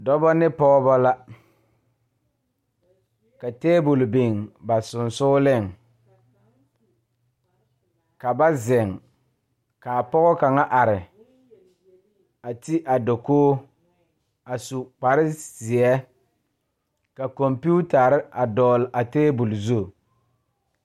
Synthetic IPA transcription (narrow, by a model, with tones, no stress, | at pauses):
dɔ˦bɔ˦nɪ˦pɔ˦ɡɔ˦bɔ˦la˦ | ka˨teː˦bʊ˨lbe˨ŋba˨sʊ˨nsʊː˦lɪ˦˨ŋ | ka˨ba˦zɪ˨ŋ | ka˨pɔ˦ɣɔ˦ka˨ŋa˦ʔa˨ɾɪ˨ | a˨ti˦ʔa˨do˨koː˦ | a˨su˨k͡pa˨ɾɪ˦zɪ˨ɛ˦ | ka˨kɔ˨mpi˦u˦ta˨ɾɪ˦a˨dɔː˨lʔa˨teː˦bʊ˨lzu˦˨